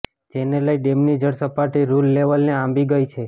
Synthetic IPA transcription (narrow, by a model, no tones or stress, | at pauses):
d͡ʒeneləjɖemnid͡ʒəɽsəpaʈiɾulːeʋəlneãmbiɡəjt͡ʃʰe